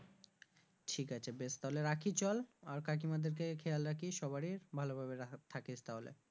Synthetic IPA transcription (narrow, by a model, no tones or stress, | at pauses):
ʈʰikat͡ɕʰabest̪aɦoleɾakʰit͡ɕɔlaɾkak̬imad̪eɾkekʰealɾakʰiʃɔβaɾiɾbʱalobʱabet̪ʰaket͡ɕʰt̪aɦolḛ